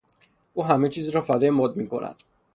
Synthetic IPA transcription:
ʔuːɦæme̞t͡ʃʰiːzɾɒːfæd̪ɒːjemɒd̪̚miːkʰo̞̰nʔæ̰d̪̥

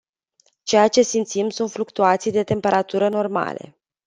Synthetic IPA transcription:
t͡ʃe̞jat͡ʃe̞simt̪simsunt̪flukt̪uat̪sijd̪e̞t̪e̞mpe̞ɾat̪uɾəno̞rma̰le̞̰

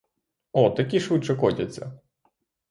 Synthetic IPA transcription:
ɔt̪ɐkʲiʃut͡ʃɐkɔtʲɐt͡sʲːɐ̰

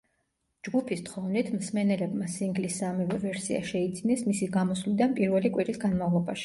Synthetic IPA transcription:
d͡ʒɡupʰist̪χɔvnit̪ʰmsmɛnɛlɛbmasiŋɡlisːamivɛvɛɾsḭa̰ʃɛid̪zinɛsmisiɡamɔslid̪anpʼiɾvɛlikʼwiɾisɡanmavlˠɔbaʃi̥

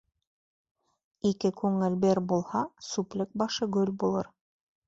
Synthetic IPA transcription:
ikɘkʉŋɘ̆lbeɾbulˠhɑsuplʲɘk̚bɑʃɤɡɵlʲbulˠɤ̰ɾ

